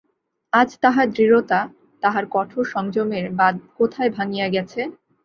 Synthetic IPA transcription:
ad͡ʑt̪aɦaɾd̪ɾiɾot̪a | t̪aɦaɾkɔʈʰoʃɔŋd͡ʑomeɾbakot̪ʰaebʱaŋijaɡɛt͡ɕʰe

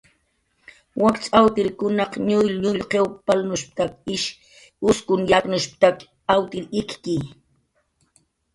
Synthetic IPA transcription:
wakt͡sʼawt̪ɪɾkʊnɑqɲʊjlʎʊʎqewpalnʊʃp̚t̪akɪʃ | ʊskʊnjaknʊʃp̚t̪ak | awt̪ɪɾɪkki

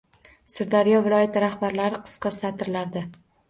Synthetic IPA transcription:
sɪɾd̪aɾɪjɒvɪlˠɒjat̪ʰɪɾahbaɾlaɾɪqʰɨ̥sqɑsat̪ʰɪɾlaɾd̪ɪ

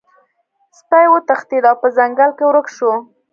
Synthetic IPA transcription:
spajwət̪axt̪id̪awpəzaŋɡalkewɾəkʃo

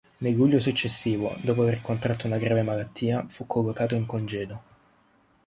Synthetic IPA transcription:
nelːuʎːosut͡ʃːesːiːvo̰d̪oːp̬oaverkont̪ɾat̪ːounaɡɾaːvemalat̪ʰːiːafukʰːolːokaːt̪oiŋkond͡ʒɛːd̪o

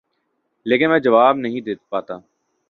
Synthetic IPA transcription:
leːkɪnmɛ̃ːd͡ʒɐʋaːbnɐɦĩd̪eːt̪paːt̪aː

